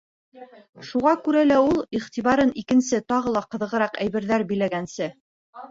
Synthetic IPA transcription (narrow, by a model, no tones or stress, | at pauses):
ʃuʁɑkʉɾælæulˠiχt̪iβɑɾɤnikɘ̆nsɘt̪ɑʁɤ̆lˠɑqɤ̆ðɤ̆ʁɤ̆ɾɑqæjβɘ̆ɾðæɾbɘ̆jlæɡænsɘ